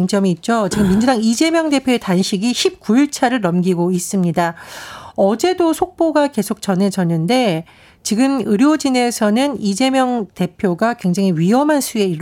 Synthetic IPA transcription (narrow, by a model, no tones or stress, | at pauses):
ŋt͡ɕ͈ʌmiːt̚t͡ɕ͈ot͡ɕiɡɯmːind͡ʑudaŋid͡ʑe̞mjʌŋde̞pʰjoetanɕʰiɡiɕip̚k͈uiɭt͡ɕʰaɾɯɭnʌmɡiɡois͈ɯmɲida | ʌd͡ʑe̞dosʰok̚p͈oɡake̞sʰok̚t͡ɕʌnɦe̞d͡ʑʌnːɯnde̞ | t͡ɕiɡɯmɯɾjod͡ʑine̞sʰʌnɯnid͡ʑe̞mjʌŋte̞pʰjoɡakwe̞ŋd͡ʑaŋiɥiɦʌmɦansʰue̞iɾ